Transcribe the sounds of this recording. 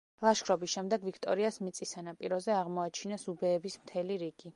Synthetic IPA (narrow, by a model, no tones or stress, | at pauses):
lˠaʃkʰɾɔbisʃɛmd̪ɛɡvikʰt̪ʼɔ̰ɾiasmit̪sʼisanapʼiɾɔzɛaʁmɔat͡ʃʰinasubɛːbismt̪ʰɛliɾiɡ̥i